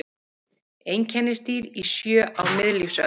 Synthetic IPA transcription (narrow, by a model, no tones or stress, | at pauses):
ejɲcʰɛnːɪst̪iːɾisjœːʔawmɪðlifsœ